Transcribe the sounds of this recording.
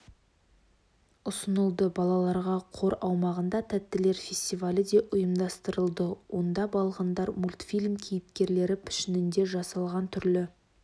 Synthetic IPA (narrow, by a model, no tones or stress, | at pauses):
ʊsənəlˠd̪əbɑlˠɑlˠɑɾʁɑqʰo̞ɾɑwmɑʁənd̪ɑt̪ʰæt̪ːɪle̞ɾfʲe̞sʲt̪ijvalʲɪd̪e̞ʔʊjəmd̪ɑst̪əɾəlˠd̪əwo̞nd̪ɑbɑlˠʁənd̪ɑɾmulʲt̪fʲilʲmkʲʰejɪpkʲe̞ɾle̞ɾɪpʰɪ̥ʃɪnɪnd̪e̞ʒɑsɑlˠʁɑnt̪ʰʏɾlɪ